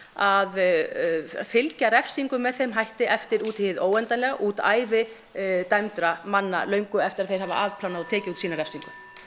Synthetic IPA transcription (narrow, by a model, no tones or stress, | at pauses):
að | fɪlcaɾɛfsiŋkʏmːɛðθejmɦajht̪ɪʔɛft̪ɪɾuːt̪hɪːɪðoːwɛnt̪anlɛɣaʔuːt̪a̰ːjvɪ | t̪ajmt̪ɾamanːa̰lœɥŋkʏɛft̪ɪɾaðθej̥hava̰ʔaːvpʰlanaðɔt̪ʰɛːcɪuːt̪siːnaɾɛfsiŋkʏ